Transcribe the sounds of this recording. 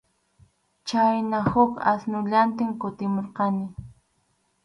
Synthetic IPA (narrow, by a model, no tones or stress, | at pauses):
t͡ʃajnahʊka̰snʊʎant̪ɪmkʊt̪ɪmoɾqɑnɪ